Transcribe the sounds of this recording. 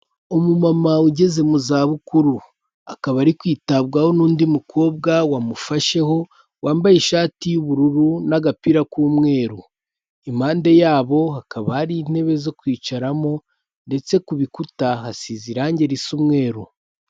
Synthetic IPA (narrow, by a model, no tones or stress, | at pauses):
omumamauɟe̞ze̞muzaːβukuɾu | akaβaɾikwiːtabɡaho̞nuːndimukʰo̞ːb̚ɡawamufaʃe̞ho̞ | waːmbajeʃaːtijuβuɾuɾunaɡapiɾakuːmŋe̞ːɾu | imaːnde̞jaːβo̞hakaβahaɾin̥he̞βe̞zo̞kwiːt͡ʃaɾamo̞ | nde̞t͡se̞kuβikutaɦasiziɾaːɲɟe̞ɾisumŋe̞ːɾu